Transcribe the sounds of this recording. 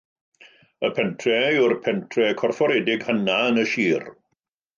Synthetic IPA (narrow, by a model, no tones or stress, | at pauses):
əpʰɛntʰrɛʊrpʰɛntʰrɛkʰɔrfɔɾɛdɪɡhənaənəʃiːr